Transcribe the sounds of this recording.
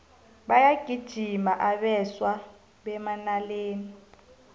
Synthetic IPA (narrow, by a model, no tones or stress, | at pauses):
ɓajaɡ̥ʱid̥ʒ̥ʱimaʔaɓɛswa | ɓɛmanaleːni